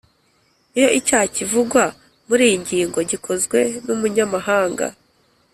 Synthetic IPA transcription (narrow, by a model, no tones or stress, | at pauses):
ijo̞ʔicaːcivuɡwa | muɾiːɲɟiːŋɡo̞ɟikʰo̞zɡwe̞numuɲamaɦaːŋɡa̰